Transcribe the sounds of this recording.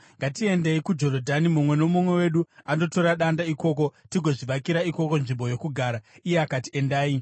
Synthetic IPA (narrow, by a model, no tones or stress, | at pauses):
ŋɡatie̞ndeikud͡ʒo̞rodʱanimumwe̞no̞mumwe̞we̞ɗuano̞to̞ɾaɗandaiko̞ːko̞tiɡʱo̞ʐiʋakiɾaiko̞ko̞nʐimbo̞jo̞kuɡʱaːɾaije̞akatie̞ndaːi